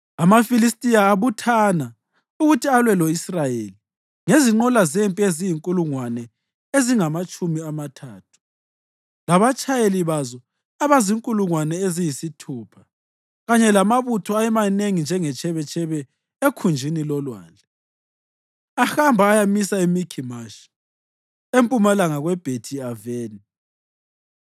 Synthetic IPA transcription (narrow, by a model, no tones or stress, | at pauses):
amafilistʼijaːβutʰana | uɣutʰialwɛlɔisrajeli | ŋeziŋ͡ǃɔlazempʼiezijiŋkʼuluŋwanɛ | eziŋamat͡ʃʼumiamatʰaːtʰu̥ | laβat͡ʃʼajeliβazɔ | aβaziŋkʼuluŋwanɛezijisitʰuːpʰḁ | ɣaɲɛlamaβutʰɔajɛmaneŋind͡ʒʱɛŋɛt͡ʃʰʼɛβɛt͡ʃʰʼɛβɛ | ekʰund͡ʒʱinilɔlwa̰ːnd͡ɮʱɛ | ahambʱaːjamisaemikʰimaʃi̥ | empʼumalaŋaɣwɛb̥ʱetʰiaveːni